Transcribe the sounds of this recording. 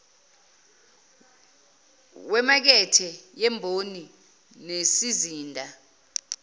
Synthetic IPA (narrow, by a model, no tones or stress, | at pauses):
wɛmak̬ɛtʰɛjɛmbʱoni | nesiziːndʱa